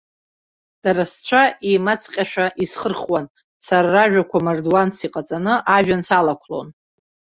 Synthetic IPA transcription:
d̥aɾast͡ɕʷʰaʔimat͡sʼqʲʼaʃᶣaʔisχərχwan | saɾaraʒᶣakʷʰamarduansiqʼat͡sʼanɨʔaʒᶣansalakʷʰlo̞̰n

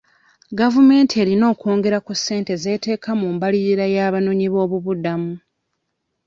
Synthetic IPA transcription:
ɡavume̞ːntʰie̞ːɾino̞ːko̞ːŋɡe̞ɾakusːe̞ːnte̞ze̞ːte̞ːkʰamuːmbaliɾiɾajaːβanoɲiβo̞ːβuβudamu

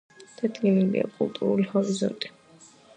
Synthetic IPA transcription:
d̪̥ad̪ɡiliŋɡḭa̰kʼulˠt̪ʼuɾulihɔɾizɔ̰nt̪ʼi̥

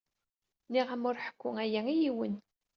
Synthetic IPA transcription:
niʁəmʊɾħə̥kʷːʊŋæjæijiwən

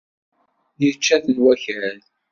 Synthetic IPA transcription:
jət͡ʃːæθənwæçæl

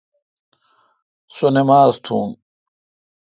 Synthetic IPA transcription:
sonemaːzt̪ʰuːm

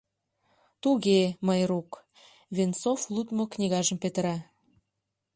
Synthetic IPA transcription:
t̪uɣeməjɾuk | vent͡soflˠut̪moknʲiɣɑʒə̆mpet̪əɾɑ

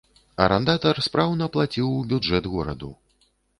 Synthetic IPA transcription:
ɐ̰ɾɛnd̪at̪ɐrspɾawnɐplˠat͡sʲiwbʲud͡ʐɛd̪ɣɔɾɐ̰d̪ṵ

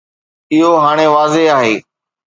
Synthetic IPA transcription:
ɪɦoɦaːɽ̃eːʋaːzeaːɦeː

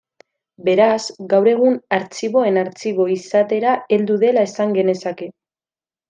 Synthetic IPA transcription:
be̞ɾasɡawɾe̞ɣ̞unaɾt͡siβo̞e̞naɾt͡siβo̞isat̪e̞ɾae̞ld̪uðe̞lae̞saŋɡe̞ne̞sake̞

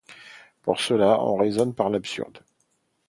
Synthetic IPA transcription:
pṵʁsəlaɔ̰̃ʁezɔnpaʁlapsy̰ʁd̪

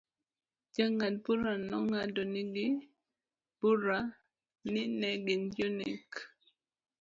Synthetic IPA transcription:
d͡ʒaŋad̚buɾanɔŋadɔnɪɡɪ | b̥uɾa | nɪnɛɡɪnjunḭk

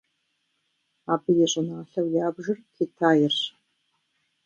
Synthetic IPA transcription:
aːbɨjɛɕʼɪnaɬɐwjaːbʒɪrkʰitʰaːjɪrɕ

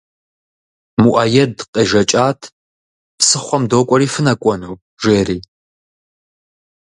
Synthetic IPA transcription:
muʔaːjɛdqʼeːʒɐt͡ʃʼaːtʰ | psɨχʷɔmdoːkʷʼɔɾiːfɨnɐkʷʼɔnuː | ʒeːriː

